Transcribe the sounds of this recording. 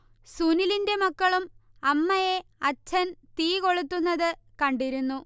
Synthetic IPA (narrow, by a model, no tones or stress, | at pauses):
suːnilinde̞mɐkːɐɭum | ɐmːɐjeɐt͡ɕʰːɐnt̪iːko̞ɭut̪ːunːɐðɨkɐɳɖiɾunːu